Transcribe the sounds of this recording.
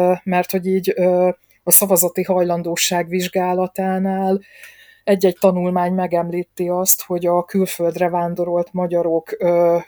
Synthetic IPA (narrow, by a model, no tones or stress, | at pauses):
mɛrt̪ho̞ɟiːɟ | ɒsɒvɒzɒt̪iɦɒjlɒnd̪oːʃaːɡʋiʒɡaːlɒt̪aːnaːl | ɛɟːɛɟ̚t̪ɒnulmaːɲmɛɡɛmliːt̪ːeɒst̪ho̞ɟɒkylfø̞ld̪rɛvaːnd̪o̞ɾo̞lt̪mɒɟɒɾo̞kː